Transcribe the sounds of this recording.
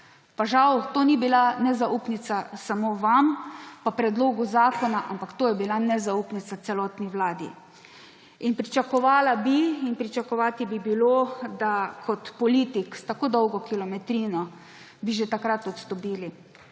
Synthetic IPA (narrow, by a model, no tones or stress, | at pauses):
paʒawt̪oːnibilanɛzaupnit̪sasamoːʋampapɾɛd̪loːɡuzaːkɔnaʔampakt̪oːjɛbilanɛzaupnit̪sasɛlɔːt̪niʋlaːd̪ḭ | inpɾit͡ʃakɔʋaːlabiinpɾit͡ʃakɔʋaːt̪ibibilod̪akʰɔt̪pɔliːt̪ikst̪akoːd̪ɔwɡɔkilɔmɛt̪ɾiːnɔ | biʒɛt̪akɾat̪ɔt̪st̪ɔpiːli